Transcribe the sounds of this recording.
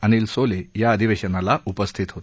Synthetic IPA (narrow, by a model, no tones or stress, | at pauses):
ənilsolejaəd̪ʱiʋeɕənalaʔupəst̪ʰit̪ɦot̪